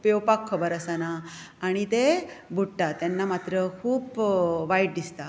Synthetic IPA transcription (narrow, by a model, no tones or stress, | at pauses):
pewpakʰːəbəɾəsanaːɽ̃it̪ebʱuɽʈːat̪janːamat̪ɾəkʰuːpʋajʈ̚d̪ist̪a